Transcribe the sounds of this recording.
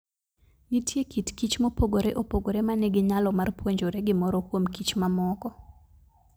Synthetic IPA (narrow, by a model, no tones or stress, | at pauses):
nitjekitkit͡ʃmopoɡoɾeʔopoɡoɾemaneɡɪɲalɔmarpwoɲd͡ʒoɾeɡɪmɔɾɔkwomkit͡ʃmamɔkɔ